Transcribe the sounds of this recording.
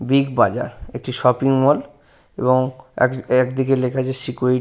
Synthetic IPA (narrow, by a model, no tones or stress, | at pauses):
biɡbad͡ʑa̰ɾek̚ʈiʃɔpiŋmɔl | ḛboŋɛ̰kɛkd̪ik̬elekʰad͡ʑesikoiʈ